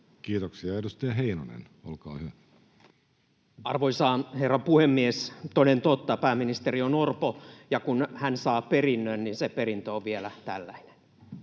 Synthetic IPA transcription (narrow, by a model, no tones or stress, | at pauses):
kiːt̪oksiɑedust̪eɑɦeinonḛn | o̰lkɑ̰ːhyʋæ | ɑrʋoisɑːnherːɑmpuhemːiest̪oinent̪ot̪ːɑpæːminist̪erionorpojɑkunhænsɑːperinːønninsepeɾint̪øoʋʋielæt̪æ̰lːæine̥n